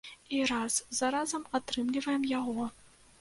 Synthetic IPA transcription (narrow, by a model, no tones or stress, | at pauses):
iɾaszaɾazɐmat̪ɾɨmlʲivɐjɛmjaɣɔ